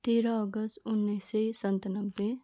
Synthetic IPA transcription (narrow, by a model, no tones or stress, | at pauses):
t̪eːɾaɔɡəst̪ʊnːesesənt̪nəbːe